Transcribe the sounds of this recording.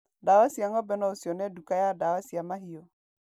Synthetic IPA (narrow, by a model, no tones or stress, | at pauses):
dawasiaŋɔbɛnɔosiɔnɛdukajadawasiamahio